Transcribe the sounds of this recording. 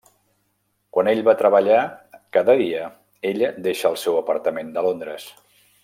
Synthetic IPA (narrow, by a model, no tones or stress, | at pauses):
kwaneʎβat̪ɾəβəʎakaðəðiə | eʎd̪eʃəːlˠsɛwəpəɾt̪əmend̪əlond̪ɾəs